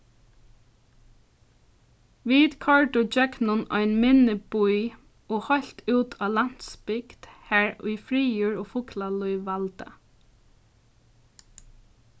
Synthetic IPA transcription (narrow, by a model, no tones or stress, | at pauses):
ʋiːd̪kʰɔɹɖʊd͡ʒɛknʊnɔ̰ɪnmɪnəbuj | oːhɔɬt̪ʰʉːt̪ʰɑːlan̥t̪spɪkt̪hæːɹʊ̰ɪfɹiːjuːɹoːfʊklaluʏʋːalt̪ə̰